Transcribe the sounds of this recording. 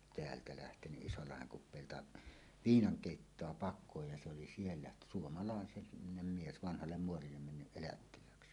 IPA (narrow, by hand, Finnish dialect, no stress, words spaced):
teæltæ læhtenyʔ ʔisolːɑheŋ kupˑeˑiltɑ ʋiːnɑŋ keˑitːoɑ pɑkˑøj jɑ se oli sielːæ suomɑlɑˑe nem mies ʋɑnhɑlːem muorilːem menːyʔ ʔelætːilæːksi